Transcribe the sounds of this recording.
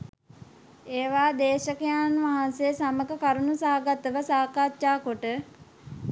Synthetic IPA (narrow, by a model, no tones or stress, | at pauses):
eːʋaːd̪eːʃəkəjaːnʋaɦanseːsaməkəkaɾunusaɦaɡat̪əʋəsaːkaːtːaːkoʈə